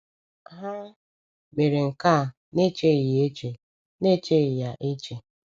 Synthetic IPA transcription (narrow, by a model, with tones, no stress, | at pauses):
ɦa˦ | ɡ͡be˨ɾe˨ŋ̩˨ka˦˨ | ne˦t͡ʃe˦i˨je˦t͡ʃe˨ | ne˦t͡ʃe˦i˨ja˨ʔe˦t͡ʃe˨